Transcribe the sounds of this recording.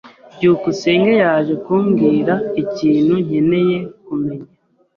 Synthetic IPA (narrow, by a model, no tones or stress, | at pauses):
ɟuːkuse̞ːŋɡejaːʒe̞kuːmɡiːɾaiciːn̥huɲ̥e̞ne̞je̞kume̞ɲa